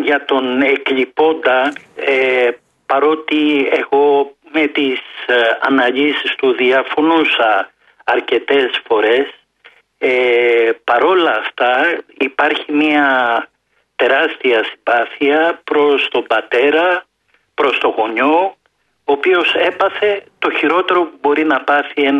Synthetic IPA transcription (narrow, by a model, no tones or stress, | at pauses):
ʝɐt̪o̞ne̞kʎipo̞nd̪ɐe | pɐɾo̞t̪ie̞ɣo̞me̞t̪isɐ̰nɐʎisist̪uðiɐfo̞nusɐː | ɾce̞t̪e̞sfo̞ɾe̞s | epɐɾo̞lɐːft̪ɐipɐɾçimiɐ | t̪e̞ɾɐst̪iɐsibɐθiɐpɾo̞st̪o̞mbɐt̪e̞ɾɐ | pɾo̞st̪o̞ɣo̞ɲo̞ | oːpio̞se̞pɐθe̞t̪o̞çiɾo̞t̪e̞ɾo̞pubo̞ɾinɐpɐθien